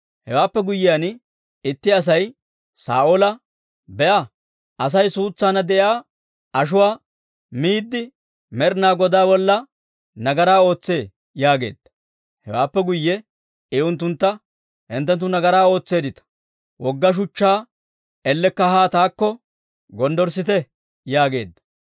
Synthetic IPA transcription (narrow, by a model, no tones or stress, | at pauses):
hɛwaːpːɛɡʊjːɪjaːn | ɪt̪ːɪɐs̬ɐj | sa̰ːʔolɐ | bɛʔɐ | ɐs̬ɐjsuːt͡sːaːnɐd̪ɛʔjaː | ʔɐʃ̬ʊwaː | miːd̪ːɪ | mɛɾnaːɡɔd̪aːbɔlːɐ | nɐɡɐɾaːo̞ːt͡sːe̞ː | jaːɡe̞̰ːd̪ːɐ̥ | hɛ̰waːpːɛɡʊjːɛ | ɪʊnt̪̬ːʊnt̪ːɐ | hɪnt̪̬ːɛnt̪̬ːʊnɐɡɐɾaːo̞ːt͡sːe̞ːd̪ɪt̪ɐ̥ | wɔɡːɐʃ̬ʊt͡ʃːaː | ɛlːɛkːɐɦaːt̪aːkːɔ | ɡɔnd̪ɔɾsɪt̪ɛ | jaːɡe̞̰ːd̪ːɐ̥